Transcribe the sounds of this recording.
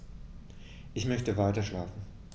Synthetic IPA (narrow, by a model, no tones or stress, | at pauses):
ʔɪçmœçtəvaɪtɐʃlaːfn̩